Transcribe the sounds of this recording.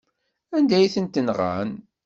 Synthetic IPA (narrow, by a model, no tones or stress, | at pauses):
ænd̪æjθənt̪ənʁa̰n